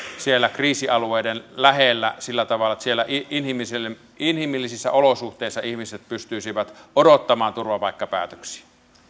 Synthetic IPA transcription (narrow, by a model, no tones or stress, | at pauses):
sielːækriːsiɑlueˑidenlæhelːæ̰silːæt̪ɑʋɑlːˑɑsielːæʔinhimisel | inhimilːisisːæ̰ʔolosuht̪eːˑisːɑihmiset̪̚pyst̪yisiʋæt̪odot̪ːɑmɑːnt̪urʋɑpɑikːɑpæ̰ːt̪ø̥ksi̥